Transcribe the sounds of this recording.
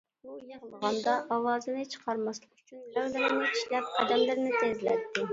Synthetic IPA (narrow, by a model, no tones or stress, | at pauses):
ujɑʁlˠʁɑnd̪ɑʔɑwɑːzɨnɪt͡ʃʰə̥qʰɑɾmɑslˠəqyt͡ʃʰynæwlɪnɪnɪi̥ʃlɛp̚ɑ̰d̪ɛmlɪɾnɪt̪ʰezlɛ̰t̪ʰːɪ